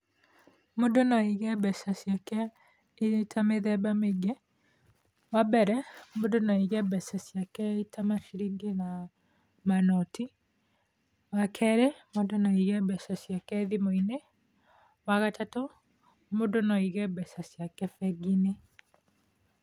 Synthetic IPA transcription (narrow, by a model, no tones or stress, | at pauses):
modonɔiɣɛbɛsasjakɛ | etʰameðɛbameɡɛ | wabɛɾɛmodonɔiɣɛbɛsasjakɛitamaʃiɾiɡena | manɔti | wakʰɛɾemodonɔiɣɛbɛsasjakɛðimoine | waɣatato | modonɔiɣɛbɛsasjakɛfɛɡine